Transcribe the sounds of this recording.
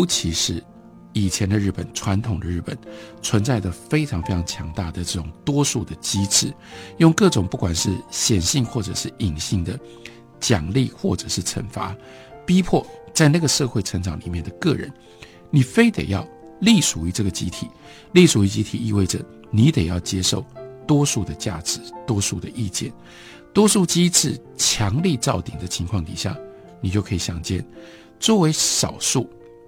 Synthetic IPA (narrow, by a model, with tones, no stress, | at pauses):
jo˧˥ʊt͡ɕʰi˧˥ʂɻ̩˥˩ | i˨˩t͡ɕʰjɛ˧˥nd̪ə˧ɻ̩˥˩pə˨˩nt͡sʰwa˧˥nt̪ʰʊ˨˩ŋd̪ə˦ɻ̩˥˩pə̰˨˩nt͡sʰwə˧˦nt͡sa˥˧ɪd̪ə˩fe˥ɪʈ͡ʂʰɑ˧ŋfe˥ɪʈ͡ʂʰɑ˧˥ŋt͡ɕʰjɑ˧˥ŋt̪a˥˩d̪ə˩ʈ͡ʂɤ˥˩ʈ͡ʂʊ˨˩ŋt̪wɔ˥ʂu˥˩d̪ə˩t͡ɕi˥ʈ͡ʂʰɻ̩˥˩ | jʊ˥˧ŋkɤ˥˩ʈ͡ʂʊ˨˩ŋpu˥˩kwa˨˩nʂɻ̩˥˩ɕjɛ˨˩nɕi˥˧ŋxwɔ˥˩ʈ͡ʂɤ˨˩ʂɻ̩˥˩i˨˩ŋɕi˥˩ŋd̪ə˩ | t͡ɕjɑ˨˩ŋli˥˧xwɔ˥˩ʈ͡ʂɤ˨˩ʂɻ̩˥˩ʈ͡ʂʰə̰˧˥nfa̰˧˥ | pi˥pʰwɔ˥˩t͡sa˥˧ɪna˥˩ɡə˩ʂɤ˥˧xwe˥ɪʈ͡ʂʰə˧˥ŋʈ͡ʂɑ˨˦ŋli˨˩mjɛ˥˩nd̪ə˩kɤ˥˩ɻə̰˧˦n | ni˨˩fe˥ɪt̪ḛ˨˩ɪjɑ˥˩ʊ | li˥˩ʂu˨˩y˧˥ʈ͡ʂɤ˥˩ɡə˩t͡ɕḭ˥t̪ʰi˨˩˦ | li˥˩ʂu˨˩y˧˥t͡ɕi˥t̪ʰi˨˩i˥˧we˥˩ɪʈ͡ʂə˩ | ni˧˥t̪e˨˩ɪjɑ˥˩ʊt͡ɕjɛ˥ʂo˥˩ʊt̪wɔ˥ʂu˥˩d̪ə˩t͡ɕja̰˥˩ʈ͡ʂɻ̩˧˦t̪wɔ˥ʂu˥˩d̪ə˨ʔi˥˧t͡ɕjɛ̰˥˩n | t̪wɔ˥ʂu˥˩t͡ɕi˥t͡sʰɻ̩˥˩ | t͡ɕʰjɑ˧˥ŋli˥˧t͡sɑ˥˩ʊt̪i˨ŋd̪ə˦t͡ɕʰi˧˥ŋkʰwɑ˥˩ŋt̪ḭ˨˩ɕja̰˥˩ | ni˨˩t͡ɕjo˥˩kʰɤ˧˥i˨˩ɕjɑ˨˩ŋt͡ɕjɛ̰˥˨n | t͡swɔ˥˩we˧˥ɪʂɑ̰˨˩ʊʂu˥˩